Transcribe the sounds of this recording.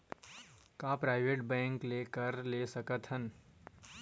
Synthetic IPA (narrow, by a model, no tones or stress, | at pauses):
kaːpɾaːɪʋeːʈbɛ̃ːŋkleːkəɾleːsɐkət̪ɦən